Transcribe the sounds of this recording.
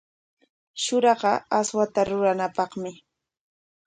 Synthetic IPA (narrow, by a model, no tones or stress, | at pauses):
ʃʊɾɑɢɑaswat̪aɾʊɾanapɑχmɪ